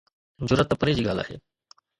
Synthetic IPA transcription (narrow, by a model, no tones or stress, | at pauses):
d͡ʑuɾət̪ːəpəɾed͡ʑiːɡʱala̰ːɦḛ